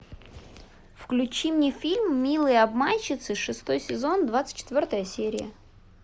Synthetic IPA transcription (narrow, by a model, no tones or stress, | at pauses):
fklʲʉt͡ɕimnʲefʲilʲmːʲilˠɨjɐbmanʲt͡ɕːɪt̪sɨʂɨst̪o̞jsʲɪzo̞nd̪vat̪sɨ̥t̚ʲt͡ɕːɪt̪vʲo̞rt̪əjəsʲeɾʲɪ̰jə̰